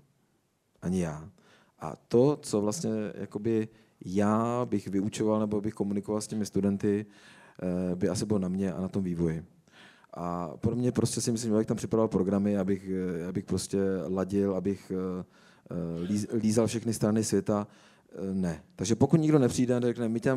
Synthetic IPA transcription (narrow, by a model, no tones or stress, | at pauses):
ʔaɲɪjaː | ʔa̰t̪o̞t͡sovlast̪ɲɛja̰ko̞bɪ | jaːbɪxvɪut͡ʃo̞valnɛboabɪxko̞munɪkovalscɛmɪst̪udɛnt̪ɪ | bɪasɪbɪlonamɲɛʔa̰nat̪o̞mviːvo̞jɪ | ʔa̰polɛmɲɛpɾoscɛsɪmɪslimʒabɪxt̪ampr̥ɪpɾavalpɾo̞ɡɾamɪjaːbɪxjaːbɪxpɾo̞scɛlaɟɪlabɪx | liliːzalfʃɛxnɪst̪ɾanɪsvjɛt̪a | nɛt̪aɡʒɛpokut̪ɲɪɡdo̞nɛpr̝̥iːdɛanɛrɛknɛmɪta